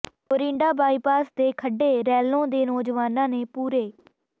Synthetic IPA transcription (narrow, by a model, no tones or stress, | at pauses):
oːɾɪ̃ɳɖaːbaːiːpaːsd̪eːkʰəɖeːɾɛːlõːd̪eːnɔːd͡ʒʋaːnãːneːpuːɾeː